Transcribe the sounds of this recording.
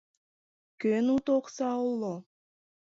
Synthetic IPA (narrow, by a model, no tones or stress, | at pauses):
kønut̪oqsɑulˠːo